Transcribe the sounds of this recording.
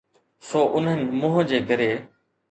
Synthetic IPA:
soːʔʊn̤ənɪ̆mʊ̃ːɦə̃d͡ʑeːɡʱəɾeː

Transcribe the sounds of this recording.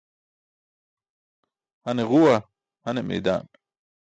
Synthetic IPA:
hɐneɣuwa | hɐnemḛːd̪a̰ːn

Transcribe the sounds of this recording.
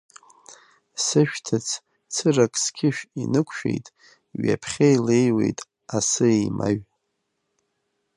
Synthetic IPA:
sɨʃᶣtʰat͡sʰ | t͡sʰɨrakʼskʲʰɪʃᶣinɨkʷʰʃᶣḛjtʼ | ɥa̰pʰχʲajle̞jwe̞̰jtʼ | asɨejmʔa̰ɥ

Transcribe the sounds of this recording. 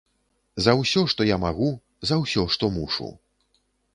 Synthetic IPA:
zɐwsʲɔʂt̪ɔjamaɣu | zɐwsʲɔʂt̪ɔmuʂṵ

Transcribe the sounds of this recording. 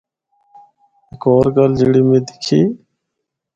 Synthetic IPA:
ɪkoːɾɡəld͡ʒiɽiːmẽːd̪ɪ̥kʰiː

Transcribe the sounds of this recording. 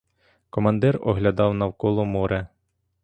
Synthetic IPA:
kɔmɐnd̪ɛrɔ̰ɦlʲɐd̪ɑwnɐwkɔlˠɔmɔɾɛ

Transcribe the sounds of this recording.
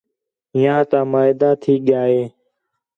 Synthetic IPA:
ɦɪjãːt̪ãːmaːɦɪd̪aːt̪ʰiːɠɪjaːeː

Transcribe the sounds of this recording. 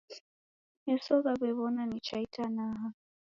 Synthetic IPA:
nɛsɔɣaβɛβɔnanit͡ʃaitʰanaɦa

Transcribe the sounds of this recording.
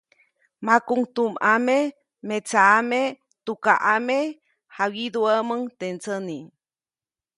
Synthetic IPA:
makuŋt̪umame | met͡saːme | t̪ukaʔame | hawid̪uəməŋt̪ent͡səni

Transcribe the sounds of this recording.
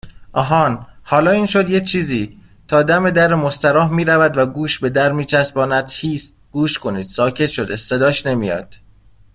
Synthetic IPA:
ʔɒːɦɒːnhɒːlɒːiːnʃo̞d̪jet͡ʃʰiːziː | t̪ʰɒːd̪æme̞d̪æɾemost̪æɾɒːɦmiːɾævæd̪væɡuːʃbe̞d̪æɾmiːt͡ʃʰæs̚bɒːnæd̪̥hiːst̪̚ɡ̥uːʃkʰo̞niːd̪̥sɒːcʰe̞t̪ʃo̞d̪ese̞d̪ɒːʃne̞mijɒ̰ːd̪̥

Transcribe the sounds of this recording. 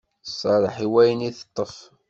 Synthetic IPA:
sˤːɑɾˤəħiwæjəniθə̥t̪ˤːəf

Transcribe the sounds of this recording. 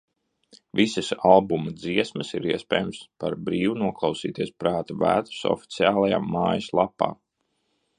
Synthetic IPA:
visəsalˠbumɐd̪ziɛsməsiɾiɛspʲɛːjumspaɾbɾiːvunuɔklˠɑwsḭːt̪iɛspɾaːt̪avæ̰ːt̪u̥sɔ̰fi̥t̪siaːlˠaja̰ːmːaːjɐslˠapːa̰ː

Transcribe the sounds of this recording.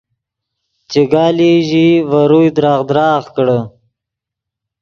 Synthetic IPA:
t͡ʃeɡɑːliʒivaɾujd̪ɾɑːʁd̪ɾɑːɣkɽə

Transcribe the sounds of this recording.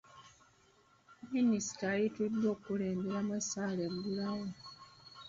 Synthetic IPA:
minisi̥taːjitudːo̞ːkuleːmbeɾamasaːlembulawe

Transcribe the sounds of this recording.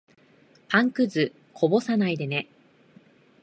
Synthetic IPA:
pãŋkɯ̟zɨ | kʰo̞bo̞sanaid̪e̞ne̞

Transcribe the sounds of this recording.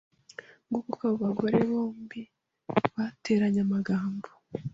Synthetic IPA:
ɡuβukaβoβaɡoɾe̞βo̞ːmbi | βate̞ːɾaɲamaɡaːmbo

